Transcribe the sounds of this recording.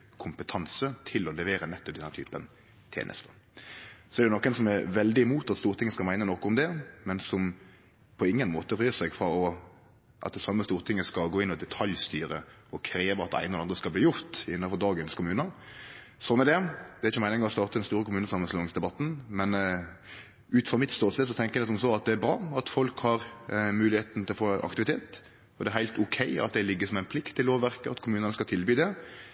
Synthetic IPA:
kʰʊmpət̪ʰɑnsət̪ʰɪlɔlɛʋeːɾənɛt̪ːɔpd̪ɛnːæt̪y̰ːpən | t̪ʰjḛːnʔə̰st̪ə | sɔɛɾd̪ɛnɔkːɛnsɔmɛɾʋɛld̪ɪɪmuːt̪ɑt̪st̪uːɾt̪ʰɪŋːəskɑmæɪnənɔkɔʊmd̪ɛmɛnsɔm | pʰɔɪŋːənmoːt̪əɾyːsɛɡfɾɑɔ | ʔɑt̪̚d̪ɛsɑmːəst̪uːɾt̪ʰɪŋːəskɑlɡoːɪnːɔd̪ɛt̪ʰɑljst̪yːɾə | ɔkʰɾeːʋəɾɑt̪æ̰ɪnəɔɑnd̪ʁəskɑlbliːjʊɾt̪ɪ̰nːəfɔɾd̪ɑːɡənskʊmʉːnə | sɔnːæɾd̪ɛd̪ɛɾɪçɔmæɪnɪŋɡɑɔst̪ɑːʁt̪əd̪ɛnst̪uːɾəkʰʊmʉːnəsɑmːənslɔnɪŋsd̪ɛbɑt̪ːn̩mɛn | ʉːt̪fʁɑmɪt̪st̪oːsɛsɔt̪ʰɛŋkːəjɛd̪ɛsɔmsoɑt̪̚d̪ɛæɾbɾɑːɑt̪fɔlkhɑɾmʉːlɪheːt̪n̩t̪ɪlɔfoːnʔɑ̰kt̪ɪʋɪt̪ʰeːt̪ | ɔd̪ɛæɾɦæɪt̪ʊkʰæɪɑ̰t̪̚d̪ɛlɪɡːəsɔmæɪnpʰlɪkt̪ʰːɪlloːʋʋæɾkəɑt̪kʰʊmʉːnənəskɑlt̪ʰɪlbyːd̪ɛ

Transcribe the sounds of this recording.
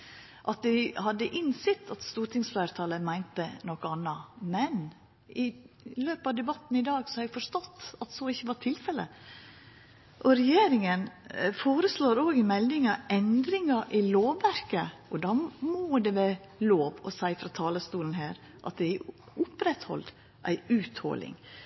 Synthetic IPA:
ʔɑt̪̚d̪ɪhɑd̪ːəʔɪnsɪt̪ːʰɑt̪st̪uːʈʰɪŋsflæːɾt̪ʰɑːləmæɪnt̪ənɔkəɑnːɑmɛn | ɪ | løːpɑʋd̪ɛbɑt̪ːn̩ɪd̪ɑːɡsɔɛɡfɔʂt̪ɔt̪ːɑt̪sɔɪçːəʋɑʈʰɪlfɛlə̰ | ʔɔɾɛjeːɾɪŋənfoːɾəsloːɾoːɡɪmɛld̪ɪŋɑɛnd̪ɾɪŋɑʔɪloːʋːæɾkəʔɔd̪ɑːmoːd̪ɛʋɛ | loːʋɔsæɪfɾɑːt̪ʰɑːləst̪uːln̩ɦæːɾ | ʔɑ̰t̪̚d̪ɛæ | ʔʊpɾɛt̪hɔ̰ld̪ | ʔæ̰ɪʉːt̪hɔ̰lɪ̰ŋ

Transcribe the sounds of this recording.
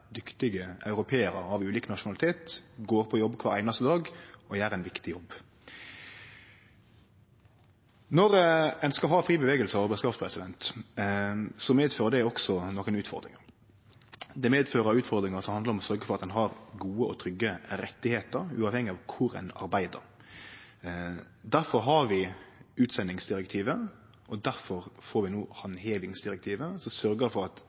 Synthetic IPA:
d̪ʏkt̪ɪɡəɑʉɾʊpʰeːəɾəɑʋʉːliːkənɑʂʊnɑlɪt̪ʰeːt̪ɡoːɾpʰɔjɔbːkʰʋɑːɾæɪnɑst̪əd̪ɑːɡɔjæːɾæɪnʋɪkt̪ɪjɔbː | nɔɾɛnskɑlɦɑːfɾiːbəʋeːɡəlsəɔːbɛskɑːfspʰɾɛsɪd̪ɛnt̪ | sɔmeːd̪føːʁəd̪ɛɔksɔnɔkːənʉːt̪fɔ̰ɾd̪ɾɪ̰ŋəɾ | d̪ɛmeːd̪føːɾəɾʉːt̪fɔɾd̪ɾɪŋəɾsɔmhɑnd̪əɾɔmɔsœɾɡəfɔɾɑt̪ɛnɦɑɾɡuːəʔɔt̪ʰɾʏɡːəɾɛt̪ːɪheːt̪əɾʉ̰ːɑʋhɛŋːɪɑʋkʰʊɾæ̰ɪnɑ̰ɾbæɪd̪ə̰ɾ | d̪æɾfɔɾɦɑɾʋɪʉːt̪sɛnːɪŋsd̪ɪɾɛkt̪ʰiːʋə | ʔɔd̪æɾfɔɾfoːɾʋɪnoːhɑnɦeːʋɪŋsd̪ɪɾɛk̚t̪ʰiːʋəsɔsœɾɡəfɔɾɑt̪

